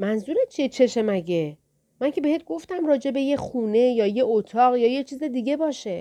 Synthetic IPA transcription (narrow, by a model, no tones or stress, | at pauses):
mænzuːɾet͡ʃʰiet͡ʃʰe̞ʃemæɟe | mæŋcʰe̞be̞het̪̚ʰɡo̞ft̪æmrɒːd͡ʒe̞be̞jexuːne̞jɒːjeot̪ʰɒːɣjɒːjet͡ʃʰiːzed̪iɟebɒːʃe̞